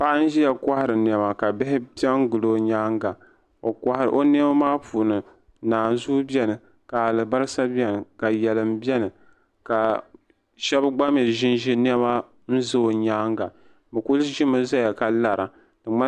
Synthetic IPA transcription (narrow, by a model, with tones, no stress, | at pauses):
pa˦n̩˦ʒi˦ja˨ka˦hɪ˨ɾɨ˨n˨ɛ˨ma˨ka˨bɪ˦hɪ˦pi˦ɛ˦ŋ˦ɡʊ˨lo˦ɲaː˦ŋɡa˨ | o˨ka˦hɾ̰ʔo˦n˦ɛ˦ma˦maː˦puː˨nɨ˨ | naː˨nzu˦bɛ˦nɨ˨ | ka˨a˨lɨ˨ba˦ɾɨ˦sa˦bi˦ɛ˦nɨ˨ka˨jɛ˨lɨ˨m˦bi˦ɛ˦nɨ˨ | ka˨ | ʃɛ˦bɡ͡ba˦m˦i˨ʒɪ˦nʒi˦n˦ɛ˦ba˦ | n̩˦zo˦˨ɲaː˦ŋ˦ɡa˨ | bɨ˨ku˦lʒi˦mɨ˦za˦ja˨ka˨la˨ɾʔa˨ | dɨ˨ŋ͡ma˦